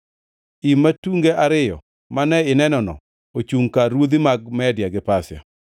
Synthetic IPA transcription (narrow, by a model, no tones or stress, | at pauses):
imːatuŋɡeʔaɾɪjɔ̰ | manɛɪnɛnɔnɔ̰ | ot͡ʃuŋkaɾwod̪imaɡ̚mɛdjaɡɪpasja̰